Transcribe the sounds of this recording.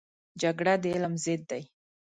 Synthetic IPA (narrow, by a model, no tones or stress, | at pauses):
d͡ʒaɡɽad̪əɪlmzɪd̪̚ːaj